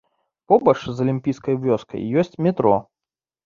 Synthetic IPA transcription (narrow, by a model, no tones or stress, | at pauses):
pɔbɐt͡ʂzɐlʲimʲpʲijskɐjvʲɔskɐ̰jːɔsʲt͡sʲmʲɛt̪ɾɔ̰